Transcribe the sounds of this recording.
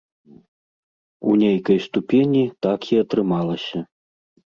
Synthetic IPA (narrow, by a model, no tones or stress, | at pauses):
ṵnʲejkɐjst̪upʲenʲit̪akiɐt̪ɾɨmalˠɐsʲɐ